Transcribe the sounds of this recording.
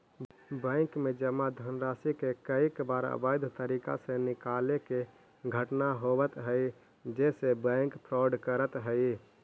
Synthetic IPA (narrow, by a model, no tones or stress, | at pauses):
bə̃ɪkmed͡ʒəmːad̪ʱənɾasikekəikbaɾə̰bajd̪ʱt̪əɾika̰sẽnikaleke | ɡʱəʈnaɦobət̪ɦəɪ | d͡ʒesebə̃ɪŋkpʰɾɔɖkəɾət̪ɦəɪ